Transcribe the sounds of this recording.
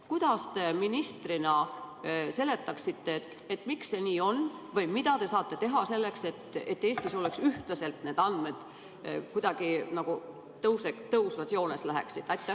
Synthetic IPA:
kujd̪̥ɑst̪e̞minist̪rinɑ | se̞le̞t̪ˑːɑksit̪ːe̞t̪ | et̪ːˑmikse̞niːo̞nːvɤjmid̪̥ɑt̪e̞sɑːt̪ˑːe̞t̪e̞ɦɑse̞lːe̞kse̞t̪ːet̪ːe̞ːst̪iso̞leksyht̪lɑse̞lt̪ne̞ːd̪̥ɑnd̪̥me̞d̪̥ | kujd̪̥ɑɡ̥inɑɡ̥u | t̪ɤwsekt̪ɤusvɑt̪sio̞ːne̞slæɦḛksid̪̥ɑt̪ːˑe

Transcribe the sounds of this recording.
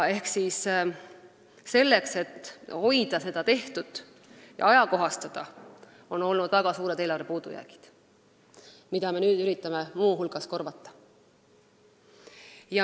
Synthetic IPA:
e̞hksis | se̞lːe̞kse̞t̪ːho̞jd̪̥ɑse̞d̪̥ɑt̪e̞ht̪ud̪̥ | jɑ̰ɑjɑko̞ɦɑst̪ɑd̪̥ɑ | o̞no̞lnud̪væɡ̥ɑsuːɾe̞d̪e̞ːlɑɾepuːd̪̥ujæ̰ːɡ̥i̥d̪̥ | mid̪̥ɑme̞nyːd̪̥yɾit̪ːˑɑme̞muːɦulɡ̥ɑsko̞rvɑt̪ˑːɑ̥ | jɑ

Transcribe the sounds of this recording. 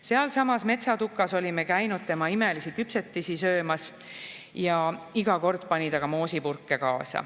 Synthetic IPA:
se̞ɑlsɑmɑsme̞t̪sɑt̪ukːˑɑso̞lʲime̞kæjnud̪̥̚t̪e̞mɑime̞lisikypse̞t̪ːisisø̞ːmɑs | jɑiɡ̥ɑko̞rd̪̥pɑnʲit̪ɑɡ̥ɑmo̞ːsipurkːe̞kɑːsɑ̰

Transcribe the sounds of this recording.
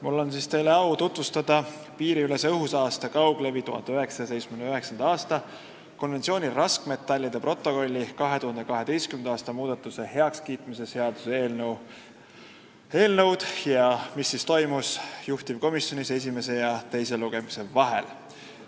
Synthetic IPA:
mulːo̞nsiːst̪e̞jle̞ɑwt̪ut̪vust̪ɑd̪̥ɑ | piːɾiylesɤɦusɑːst̪ɑkɑwɡ̥le̞vit̪uhɑ̰nd̪eøɦe̞ksɑ̥se̞jtsmend̪ɑøɦe̞ksɑnd̪̥ɑɑːst̪ɑ | ko̞nve̞nt̪sio̞ːnʲirɑskme̞t̪ːˑɑlʲːid̪̥e̞pro̞t̪ːˑo̞ko̞lʲːikɑɦe̞t̪uhɑnd̪ekɑɦe̞d̪e̞jstkymend̪ɑɑːst̪ɑmuːd̪̥ɑt̪ːˑuse̞he̞ɑkskiːt̪mise̞se̞ɑd̪̥u̥seeːln | e̞ːlnɤwd̪̥jɑmisːist̪o̞jmusjuht̪ib̥̚ko̞misjo̞nʲise̞s̬ʲime̞se̞jɑt̪e̞jse̞luɡ̥e̞mise̞vɑɦe̞̰l

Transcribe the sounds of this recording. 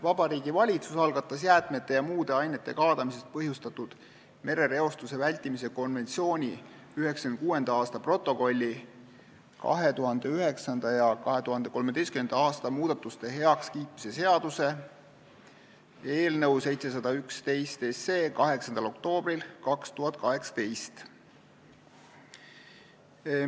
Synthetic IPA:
vɑb̥ɑɾiːɡ̥ivɑlʲit̪susɑlɡ̥ɑt̪ˑːɑsjæːt̪me̞t̪ˑːe̞jɑmuːd̪̥e̞ɑjne̞t̪ːe̞kɑːd̪ɑmise̞st̪̚pɤɦjust̪ɑt̪ːud̪̥ | me̞ɾe̞ɾe̞o̞st̪use̞vælʲt̪ːimis̬e̞ko̞nve̞nt̪sio̞ːnʲi | yɦe̞ksɑkyn̚kuːe̞nd̪ɑɑːst̪ɑpro̞t̪ˑːo̞ko̞lʲːi | kɑ̰ɦe̞t̪uɦɑnd̪̥e̞yɦe̞ksɑnd̪̥ɑjɑkɑɦe̞t̪uhɑnd̪e̞ko̞lmed̪e̞jskymend̪̥ɑɑːst̪ɑmuːd̪̥ɑt̪ːˑust̪e̞ɦe̞ɑkskiːt̪mise̞se̞ɑd̪use̞ | e̞ːlnɤ̞wse̞jt̪se̞s̬ɑd̪̥ɑykst̪e̞jst̪esːe̞ːkɑɦe̞ksɑnd̪ɑlo̞k̚t̪o̞ːbrilkɑkst̪uɦhɑt̪ːˑkɑɦe̞ksɑ̥t̪e̞jst̪

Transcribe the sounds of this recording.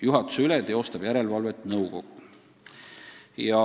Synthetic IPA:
juɦɑt̪ːˑu̥seyled̪̥eo̞st̪ɑb̥jæɾe̞lvɑlvet̪ːˑnɤwko̞̰ɡ̥u | jɑ

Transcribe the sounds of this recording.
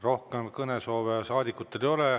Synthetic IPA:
ro̞hkemkɤneso̞ːvesɑːd̪ʲikːˑut̪ːˑe̞ljo̞le

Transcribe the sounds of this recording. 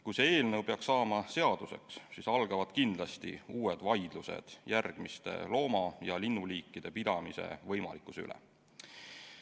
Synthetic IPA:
kujseeːlnewpe̞ɑksɑːmɑse̞ɑd̪̥use̞̰kssiːsɑlɡ̥ɑvɑd̪̥kind̪̥lɑst̪ḭuːed̪̥vɑjd̪̥luse̞̰d̪̥jærɡ̥mist̪e̞̰lo̞ːmɑjɑlinːuliːkːˑid̪̥e̞pid̪̥ɑmise̞̰vɤjmɑ̰likːˑu̥sy̰lɛ̰

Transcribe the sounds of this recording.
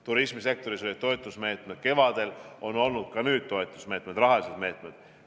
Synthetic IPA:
t̪uɾismise̞k̚t̪o̞ɾisolit̪ːo̞et̪ːˑusme̞ːt̪ˑmed̪̥ke̞vɑd̪̥e̞lo̞no̞lnud̪̥̚kɑnyːd̪̥̚t̪o̞et̪ˑːu̥sme̞ːt̪med̪rɑɦɑlise̞d̪̥me̞ːt̪ˑmed̪̥

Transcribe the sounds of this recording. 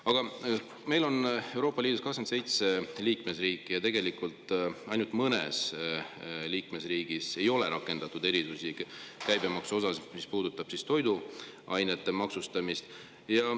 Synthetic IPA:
ɑɡ̥ɑ | me̞jlo̞ne̞wɾo̞ːpːˑɑliːd̪̥uskɑksɑnt̪se̞jt̪se̞liːkmesriːkːˑijɑt̪e̞ɡ̥e̞likult̪ˑɑjnut̪mɤnes | liːkme̞sriːɡ̥ise̞jo̞le̞ɾɑkːˑe̞nd̪̥ɑt̪ːud̪e̞ɾisusikæjbe̞mɑksuo̞s̬ɑsmispuːd̪̥ut̪ːˑɑb̥sist̪o̞jd̪uʔɑjnet̪ːe̞mɑksust̪ɑmist̪ | jɑ

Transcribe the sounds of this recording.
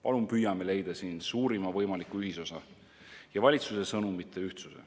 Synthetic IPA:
pɑlumpyjɑme̞le̞jd̪̥ɑsiːnsuːɾimɑvɤjmɑlikuyɦiso̞sɑ | jɑvɑlʲit̪suse̞sɤnumit̪ʰːˑe̞yht̪susḛ

